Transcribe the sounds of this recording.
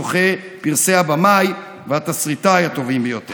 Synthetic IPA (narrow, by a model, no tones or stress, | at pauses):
oχe | piʁseabamaj | veat̪asʁit̪ajat̪o̞vimbejot̪e